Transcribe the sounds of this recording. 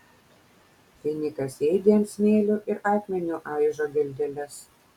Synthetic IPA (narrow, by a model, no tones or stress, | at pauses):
fʲɪnʲɪkɐsɛɪd̪ʲeːmsmʲeːlʲʊʔɪɾɑːk̪ʲmʲɛnʲʊʔɑˑɪʒoːɡʲɛlʲd̪ʲɛlʲɛs